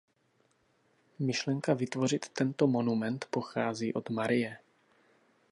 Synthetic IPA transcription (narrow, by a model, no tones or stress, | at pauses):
mɪʃlɛŋkavɪt̪vo̞r̝ɪt̪ːɛnt̪o̞mo̞numɛnt̪po̞xaːziːʔo̞d̪maɾɪjɛ